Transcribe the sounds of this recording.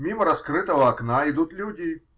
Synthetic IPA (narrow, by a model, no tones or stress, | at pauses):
mʲimɐɾɐskɾɨt̪ɐɣɐːknaid̪ut̪ʲlʲudʲi